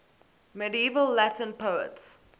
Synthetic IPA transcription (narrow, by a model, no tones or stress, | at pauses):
mɛdiivəlːætə̃npəʊə̰ts